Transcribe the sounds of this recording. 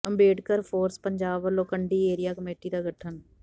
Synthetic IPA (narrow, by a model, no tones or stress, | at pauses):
əmbeːʈkəɾpʰoːɾspəɲd͡ʒaːbəloːkəɳɖiːeːɾɪjaːkəmeːʈiːd̪aːɡəʈʰən